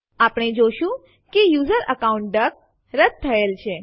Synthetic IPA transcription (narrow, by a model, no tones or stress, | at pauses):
apɽ̃ed͡ʒoʃũ | kejuzəɾʔəkauɳʈ̚ɖək̚ | ɾəd̪̚t̪ʰːəelt͡ʃʰe